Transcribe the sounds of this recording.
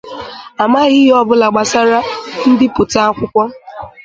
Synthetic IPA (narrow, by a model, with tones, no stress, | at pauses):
a˨ma˦ɣɪ˦ɦɔ˦bʊ˦la˨ɡ͡ba˨sa˦ɾa˦n̩˦dɪ˦pʊ˨ta˦a˦kʷʊ˦kʷɔ˦